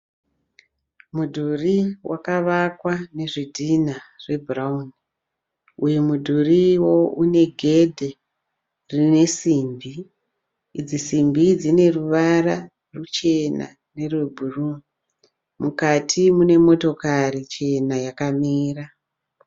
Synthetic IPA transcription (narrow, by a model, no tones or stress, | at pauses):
mudʱuriwʔakaʋakwane̞ʐidʱinare̞bʱurauni | ujemudʱuriwo̞une̞ɡʱe̞dʱe | rine̞simbiː | d͡zisimbid͡zine̞ruʋara | rut͡ʃe̞na̰ | ne̞rwebʱuru | mukatʰimune̞mo̞to̞karit͡ʃe̞najakamiːra